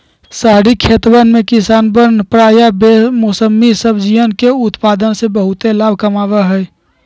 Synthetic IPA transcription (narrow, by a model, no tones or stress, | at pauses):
saɦɽikʰet̪bənmekisaːnbənpɾaːjabemosəmːisəbd͡ʒijənkeʊt̪paːd̪ənsebəɦʊt̪elaːbʱkəmaːʋəɦɛj